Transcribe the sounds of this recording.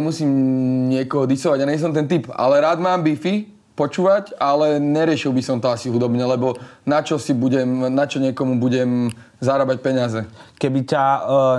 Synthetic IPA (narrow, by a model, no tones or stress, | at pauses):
musiːmɲɪɛkɔɦɔd̪isɔʋaɟaɲɛs̬ɔmt̪̬ɛnt̪ipa̰lɛɾaːd̪maːmbifi | pɔt͡ʃuːʋacalɛɲɛɾɪɛʃilˠbisɔmt̪ɔasiɦud̪ɔbɲɛlɛbɔnat͡ʃɔsibuɟɛmnat͡ʃɔɲɪɛkɔmubuɟɛm | zaɾabac̚pɛɲɪazɛkɛbica